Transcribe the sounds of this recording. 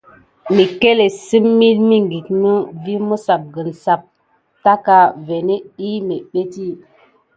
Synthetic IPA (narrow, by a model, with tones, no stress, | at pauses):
mi˨ke˦le˨si˦mːi˦lmi˦ŋɡi˨k̚nu˦vi˦mu˦sa˨p̚ɡə˨nsa˨p̚ | ta˦ka˨ve˨ne˦i˦me˨ɓe˦ti˦